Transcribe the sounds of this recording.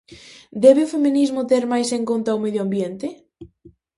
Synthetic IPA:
d̪ɛβɪʊfeminizmʊt̪eɾmajseŋkont̪awmeðjoambjent̪ɪ

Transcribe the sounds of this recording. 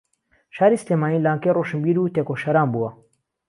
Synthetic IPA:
ʃaːɾisilemaːniːlaːŋkejroʃɨnbiːɾuːt̪ekoʃɐɾaːnbuwɐ

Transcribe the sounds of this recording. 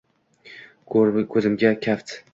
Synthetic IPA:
kʰɵzɪmɡʲakʲʰaft̪

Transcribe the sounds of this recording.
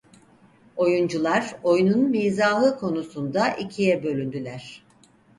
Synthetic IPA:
o̞jund͡ʒulˠaɾo̞jununmijzaːlˠɯkʰo̞nusund̪aʔicʰijɛbø̞lʲynd̪ylʲæɾ̝̥

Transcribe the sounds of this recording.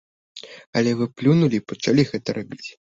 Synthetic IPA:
ɐlʲɛvɨplʲunulʲipɐt͡ʂalʲiɣɛt̪ɐɾabʲit͡sʲ

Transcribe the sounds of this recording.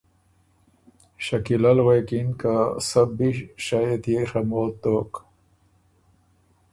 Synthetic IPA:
ɕɐkilɐlweːkinkasɐbiɕajet̪jexɐmoːt̪ːoːk

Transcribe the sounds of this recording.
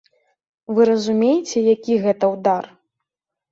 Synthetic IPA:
vɨɾɐzumʲejit͡sʲɛjakʲiɣɛt̪ɐwd̪ar

